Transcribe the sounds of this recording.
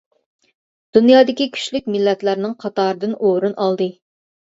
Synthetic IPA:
d̪̥unjɑːd̪ɪkʲikʲʰy̥ʃlyk̚ʲmɪlːɛt̪læɾnɪŋqʰɑt̪ɑːɾɨd̪ɨnoːɾunʔɑlˠd̪ɨ

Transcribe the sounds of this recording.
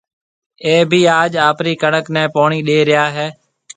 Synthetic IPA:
eːbʱiːaːd͡ʒaːpɾiːkəɳəknɛ̃ːpoːɳiːɗeːɾɪjaːɦɛː

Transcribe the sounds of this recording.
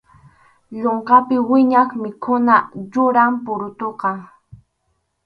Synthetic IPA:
ʎoɴqɑpɪwɪɲaχmɪkʰʊnajʊɾampʊɾʊt̪oqɑŋ

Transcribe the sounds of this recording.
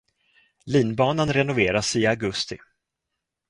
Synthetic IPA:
liːnbɑːnanɾɛnʊveːɾasɪaɡɵst̪ɪ̰

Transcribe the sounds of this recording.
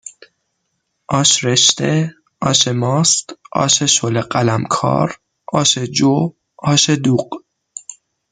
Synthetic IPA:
ʔɒːʃɾeʃt̪e | ɒːʃemɒːst̪ʔɒ̰ːʃeʃoleɢælæmkʰɒ̰ːɾ | ʔɒːʃed͡ʒo | ɒːʃed̪uːq

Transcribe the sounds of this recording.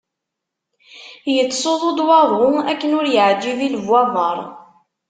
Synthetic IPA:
jət͡sːsˤoðˤod̪ˤwɑðˤʊækːənʊɾjəʕd͡ʒ̪ːiðilvːɑðˤəɾˤ

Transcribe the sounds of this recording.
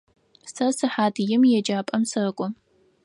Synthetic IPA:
sɐsɨħaːdjɪmjɛd͡ʒaːpʼɐmsɐkʷʼɔ

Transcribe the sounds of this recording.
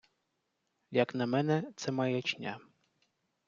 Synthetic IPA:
jɐknɐmɛnɛt̪sɛmajɛt͡ʃnʲa

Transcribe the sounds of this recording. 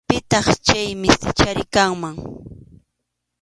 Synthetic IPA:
pɪt̪ɑχt͡ʃajmɪsɪt͡ʃaɾɪkaŋmaŋ

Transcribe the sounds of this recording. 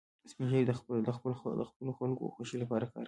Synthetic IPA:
smiʒaɾd̪əxd̪əxəld̪əxpəloxalko̰xwoʃilapɑɾakɑ̰ɾ

